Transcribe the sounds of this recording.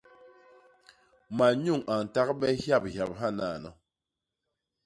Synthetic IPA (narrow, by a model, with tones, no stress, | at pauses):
ma˨ɲu˦˨ŋa˨ŋ˨ta˦kɓɛ˦hja˦˨p̚ha˨p̚ɦa˦na˨nɔ̰˨